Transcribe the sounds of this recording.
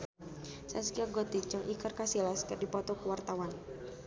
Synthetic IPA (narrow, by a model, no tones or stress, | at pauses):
saskiaɡɔt̪it͡ʃəŋʔikərkasilaskɨrdipɔt̪ɔkəwart̪awan